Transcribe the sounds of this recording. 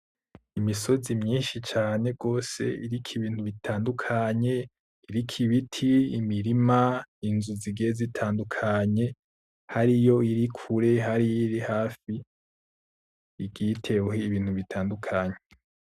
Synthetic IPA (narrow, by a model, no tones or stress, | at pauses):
imiso̞zimɲiːnʃit͡ʃaːne̞ɡo̞ːse̞̰iɾikʰiβiːn̥huβitʰaːndukʰaɲe̞ | iɾikʰiβitʰiimiɾimainzuziɡeezitʰaːndukʰaɲe̞ | haɾijo̞iɾikʰuɾe̞ɦaɾijiɾihaːfi | ɡitʰe̞wohiːβiːn̥huβitʰaːndukʰaɲe